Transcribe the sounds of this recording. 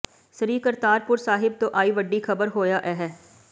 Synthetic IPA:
səɾiːkəɾt̪aːɾpʊɾsaːɦɪb̚t̪oʔaːiːʋəɖːixɐbəɾɦoːjaʔɛɦɛː

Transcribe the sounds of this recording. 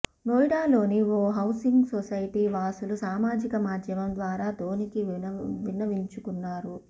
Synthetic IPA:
noːjɽaːlo̞ːniʋoːɦɐwsiŋɡsosɐjiʈiːʋaːsulusaːmaːd͡ʒikɐmaːd̪jɐʋɐnd̪ʋaːɾaːd̪oːnikiʋinːɐʋiɲt͡ʃukunːaːɾu

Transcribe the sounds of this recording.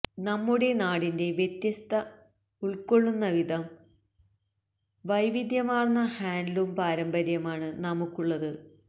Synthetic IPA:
nɐmːuɽe̞naːɽinde̞ʋjet̪jɐst̪ɐ | uɭko̞ɭːunːɐʋid̪ɐm | ʋɐjʋid̪jɐmaːrnːɐhaːndlumpaːɾɐmbɐɾjɐmaːɳɨnɐmukːuɭːɐðɨ

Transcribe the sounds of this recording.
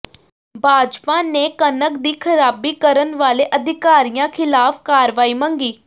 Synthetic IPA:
bʱaːd͡ʒpãːneːkənəkd̪iːkʰəɾaːbiːkəɾənʋaːleːʔəd̪ʱɪkaːɾijãːkʰɪlaːpʰkaːɾʋaːiːmə̃ŋɡiː

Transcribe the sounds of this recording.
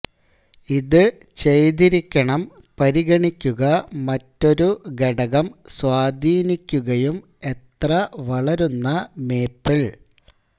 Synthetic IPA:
iðɨ | t͡ɕe̞jðiɾikʲːɐɳɐm | pɐɾiɣɐɳikʲːuɣɐmɐtːo̞ɾuɡeɽɐɣɐmswaːd̪ʱiːnikʲːuɣɐjum | e̞t̪rɐʋɐɭɐɾunːɐme̞ːpːiɭ

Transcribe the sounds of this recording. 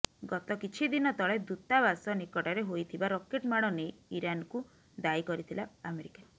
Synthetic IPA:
ɡɔt̪ɔkit͡ʃʰid̪inɔt̪ɔɭed̪ut̪abasɔnikɔʈaɾeɦojt̪ʰibaɾɔkeʈmaɽ̃ɔnejiɾanku | d̪ajkɔɾit̪ʰilaːmeɾika

